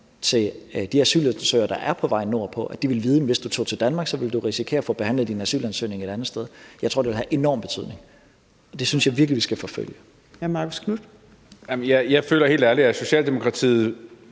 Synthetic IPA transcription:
t͡sʰe̝ld̥iæsy̰ːlæsøɪɐd̥ɑ̈ʔæɐpʰɒ̽ʋɑ̈ɪ̰nːo̝ɐ̰pʰɒ̽ʔæd̥iʋe̝lʋiːðˠdemʋe̝sd̥ut͡sʰo̰ːt͡sʰe̝ld̥ænmɑ̈ːɡ̥sɒ̽ʋe̝ld̥uʁisikʰe̝ːɐfɔ̽ːb̥e̝hæn̰lð̩ˠdinæsy̰ːlænsø̰ne̝ŋeɾ̥ænð̩ˠsd̥eð̞ˠjɑɪt͡sʰo̝̰de̝ʋe̝ɦæʔe̝nɒ̰mb̥e̝̥t͡sʰy̰ð̞̰ˠne̝ŋ | ɒ̽d̥e̝synsjɑ̈ɪʋiɐɡ̥liʋisɡ̥æfɒ̽fø̰l̰jə | æmɑ̈ɡ̥oskʰnud̥ | jamnjaɪjɑ̈ɪføːlɐɦe̝ːld̥æɐliæso̝ɕɛ̰ːld̥emo̝kʰʁɑ̈t͡sʰḭːð̩ˠ

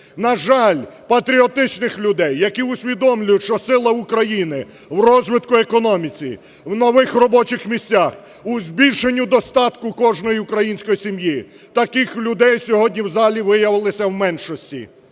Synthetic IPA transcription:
nɐʒɑlʲpɐt̪ɾʲiɔt̪ɪt͡ʃnɪxlʲʊd̪ɛjːɐkiʊsʲʋʲid̪ɔmlʲʊjʊtʲʃt͡ʃɔsɪlˠɐʊkɾɐjinɪ | wrɔzʋɪt̪kʊekɔnɔmʲit͡sʲḭ | wnɔʋɪxrɔbɔt͡ʃɪxmʲisʲt͡sʲːax | ʊzʲbʲilʲʃenʲːʊd̪ɔst̪ɑt̪kʊkɔʒnɔjiʊkɾɐjinʲsʲkɔjisʲimji | t̪ɐkɪxlʲʊd̪ɛjsʲɔɦɔdʲnʲiwzɑlʲiʋɪjɐʋɪlˠɪsʲɐwmɛnʃɔsʲtʲḭ

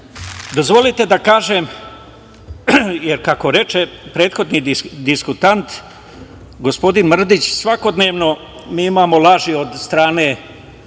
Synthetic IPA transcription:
d̪o̞zʋo̞lit̪e̞d̪akaːʒem | jeɾkako̞ɾe̞t͡ʃepɾe̞ːt̪xo̞d̪nid̪iskut̪ant̪ | ɡospo̞d̪inmr̩d̪it͡ɕsʋako̞d̪neːʋno̞ | miːimaːmo̞lˠaːʒiod̪st̪ɾaːne̞

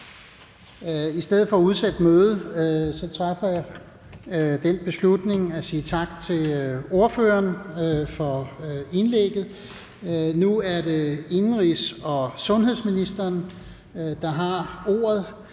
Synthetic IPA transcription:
isd̥eð̰̩ˠfɒ̽ːuð̞ˠsed̥møːð̞̩ˠsɒ̽t͡sʰʁɑfɐja | d̥enb̥e̝slud̥ne̝ŋæsiːt͡sʰɑ̈ɡ̥̚t͡sʰe̝lo̝ɐføːɐnfɒ̽e̝nleɡ̥ð̞̩ˠ | nuæɐde̝e̝nʁisɒ̽sɔ̽nɦe̝ðˠsminisd̥ɐn | d̥ɑ̈ɦɑ̈o̝̰ːɐð̞ˠ

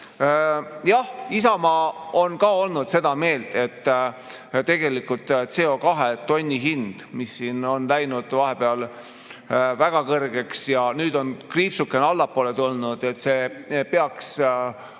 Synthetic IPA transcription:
jɑhisɑmɑo̞nkɑːo̞lnud̪̥se̞d̪̥ɑme̞ːld̪e̞t̪ː | t̪e̞ɡ̥e̞likult̪ˑt̪se̞o̞kɑɦet̪o̞nʲːiɦind̪̥misːiːno̞nlæjnud̪̥vɑɦe̞peɑl | væɡ̥ɑkɤrɡ̥e̞ksjɑnyːd̪o̞nkriːpsukːe̞nɑlːɑpːˑoːlet̪ulnud̪̥e̞t̪ːse̞ːpeɑks

